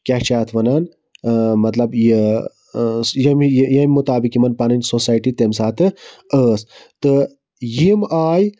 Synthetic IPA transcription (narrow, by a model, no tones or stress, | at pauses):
kʲaht͡ʃaːt̪ʰʋɐnan | mɐt̪lɐbje | jɐmjjɐmʲimut̪aːbikimɐnpanɐnsosaːjʈit̪emsaːt̪ɨəːst̪ɨ | jimaːj